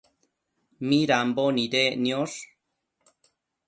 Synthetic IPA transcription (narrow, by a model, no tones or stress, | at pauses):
miɾamboniɾenjoɾ